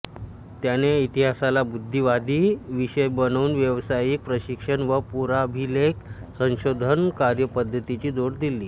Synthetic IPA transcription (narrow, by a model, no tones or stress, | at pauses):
t̪janeit̪iɦasalabud̪ʱːiʋad̪ʱiːʋiɕəjbənuːnʋjəʋsajik̚pɾəɕikʂənʋəpuɾabʱileksə̃ɕod̪ʱənkaɾjəpəd̪ʱːət̪it͡ɕiːd̪oɽd̪ilːiː